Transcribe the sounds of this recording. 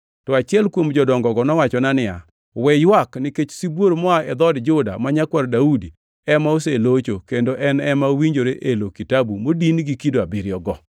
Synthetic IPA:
tɔat͡ʃɪɛlkwomd͡ʒɔdɔŋɡɔɡɔnɔwat͡ʃɔnanɪa | wɛjwaknɪket͡ʃsibwoɾmɔaʔɛd̪ɔdd͡ʒʊda̰maɲakwaɾdaudi | ɛmaoselot͡ʃokendoʔɛnɛmawiɲd͡ʒoɾeʔelokitabumodinɡikidoabɪɾɪjɔɡɔ

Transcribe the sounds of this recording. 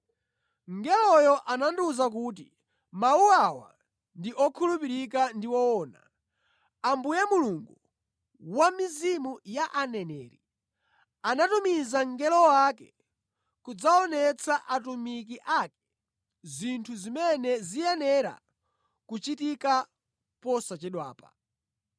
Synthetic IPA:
ŋɡɛlɔjɔʔananduzak̬uːt̬i | mauawa̰ | ndiʔɔkʰulupiɾikandiwɔɔːna | ambujɛmuluŋɡu | wamizimujaʔanɛnɛ̰ːɾḭ | anatumizaŋɡɛlɔwakɛ | kud͡zaɔnɛt͡sʰaʔatumik̬iʔakɛ̥ | zintʰuzimɛnɛzijɛnɛɾa̰ | kut͡ʃitika | pɔsat͡ʃɛɗwa̰ːpa̰

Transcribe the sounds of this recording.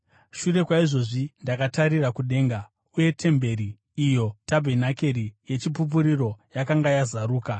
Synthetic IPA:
ʃure̞kwaiʐo̞ʐindakataɾirakuɗe̞ːŋɡa | uje̞tʰe̞mbe̞ɾiː | jo̞tabʱe̞nake̞rije̞t͡ʃipup̬uɾiro̞jakaŋɡajazaɾuːka

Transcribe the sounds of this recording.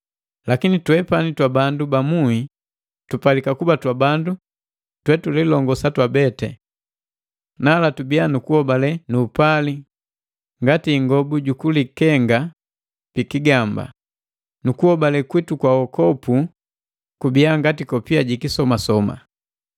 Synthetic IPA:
lakinitwɛpanitwabandubamui | tupalikakubatwabandu | twɛtulilɔŋɡɔsatwabɛtɛ̰ | nalatubianukuhɔbalɛnupali | ŋɡatiːŋɡɔbuɟukulikɛŋɡa | pikiɡamba̰ | nukuhɔbalɛkwitukwawɔkɔpu | kubiaŋɡatikɔpiaɟikisɔmasɔma̰

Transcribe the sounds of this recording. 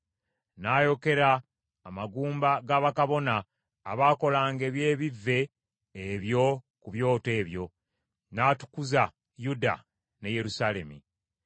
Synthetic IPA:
naːjo̞ke̞ɾaː | maɡuːmbaɡaβakaβo̞naː | βaːko̞laːŋɡe̞ːβje̞ːβivːe̞ː | βjo̞ | kuβjo̞ːte̞ːβjo̞ | naːtu̥kuza | juda̰ | ne̞je̞ɾusale̞̰mḭ

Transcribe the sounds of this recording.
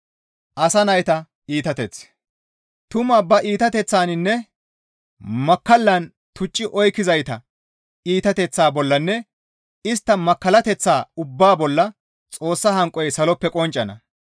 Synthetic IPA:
ʔɐsɐnɐjt̪ɐ | iːt̪ɐt̪ɛt͡s | t̪ʊmɐːbɐʔiːt̪ɐt̪ɛt͡sːaːnɪnːɛ | mɐkːɐlːɐn | t̪ʊt͡ʃʼːɪʔɔjkːɪzɐjt̪ɐ | iːt̪ɐt̪ɛt͡sːaːbɔlːɐnːɛ | ɪst̪ːɐmɐkːɐlɐt̪ɛt͡sːaːʊbːaːbɔlːɐ | t͡sʼo̞ːsːɐhɐŋkʼɔjsɐlɔpːɛkʼɔnt͡ʃʼːɐnɐ

